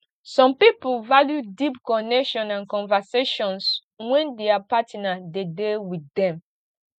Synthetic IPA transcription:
sɔ̃mpipulvaljudipkɔnɛkʃɔ̃nãnkɔ̃nvəseʃɔ̃ns | wɛ̃ndeapatinadedewiθɛ̃m

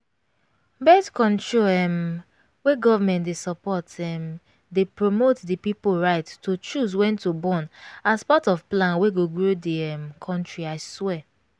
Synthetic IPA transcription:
bɛdkɔ̃ntɹoɛm | weɡɔvamɛ̃ntdesɔpɔtɛm | depɹomotdipipolɹaɪttot͡ʃus̬wɛ̃ntobɔ̃naspatɔvplãnweɡoɡɹodiɛmkʰɔ̃ntɹiaɪswɛ

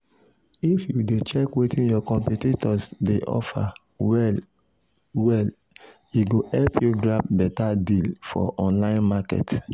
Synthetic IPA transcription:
ifjudet͡ʃɛkwetĩnjɔkɔ̃mpititɔsdeʔɔ̰fa̰ | wɛl | wɛl | iɡohɛlpʰjuɡɹap̚bɛtadilfɔ̰ʔɔ̃nlãɪ̃nmakɛ̰t

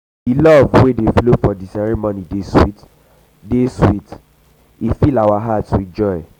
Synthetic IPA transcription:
ilɔvwedeflofɔdisɛɹĩmɔ̃nideswḭt | deswit | ifilawaɦatsuɛ̃nd͡ʒɔɪ

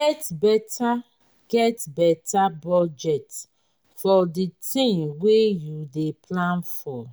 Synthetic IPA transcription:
ɛtbɛtʰa | ɡ̥ɛtbɛtabɔd͡ʒɛt | fɔditĩŋwejudeplãnfɔ

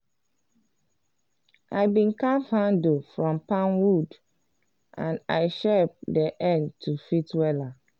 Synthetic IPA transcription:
ʔaɪbĩnkafhãndofɹɔ̃mpãnwud | ʔãnaɪʃɛp̚dɛʔɛ̃ntʰufitwɛla

